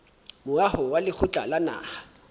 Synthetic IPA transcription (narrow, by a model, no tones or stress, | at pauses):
mʊahɔwalɪk͡xʰʊt͡ɬʼa̰lana̰ːha